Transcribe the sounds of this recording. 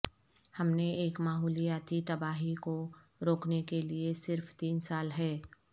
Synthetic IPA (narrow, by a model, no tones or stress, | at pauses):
hɐmneeːkmaːɦɔːlijaːt̪it̪ɐbaːɦiko | ɾoːknekeliesɪɾft̪iːnsaːlɦɛː